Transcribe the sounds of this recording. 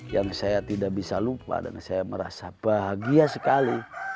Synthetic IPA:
jaŋsajat̪idaʔbisalupa̰da̰nsajaməɾa̰sab̥aɦaɡiasəkali

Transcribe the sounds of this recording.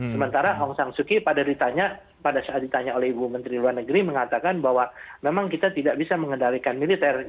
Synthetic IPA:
səmənt̪aɾaʔɔŋsaŋsukipadadit̪aɲa | padasaːt̪̚dit̪aɲaolɛhibumənt̪ɾiluarnəɡəɾiməŋat̪akanbaɦwamemaŋkit̪at̪idaʔbisaməŋəndalikanmilit̪ɛr

